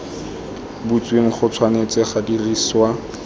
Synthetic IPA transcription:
but͡sweŋ̩χʊt͡sʰwanet͡sɪχadiriːswa

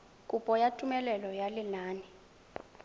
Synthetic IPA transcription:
kʼupʼɔjatʼumɛlɛlɔjalinaːnɛ

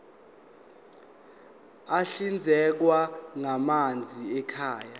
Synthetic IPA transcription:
aɬind͡zʱɛk̬waŋamand͡zʱiɛkʰaːja

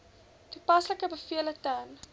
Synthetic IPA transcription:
tupɐsləkəbəfiələtɐn

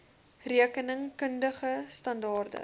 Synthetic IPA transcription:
riəkənəŋkəndəχəstɐndɑːrdə̰

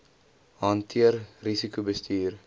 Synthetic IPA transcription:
ɦɐntʰiərrisikubəstiːr

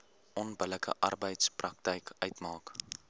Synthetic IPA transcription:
ʔɔnbələkə̰ʔɐrbəjtsprɐk̚tɛjkœɥtmɑːk

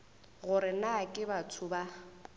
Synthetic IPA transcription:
ɣʊɾɪnakʼɪbat͡sʰʊba

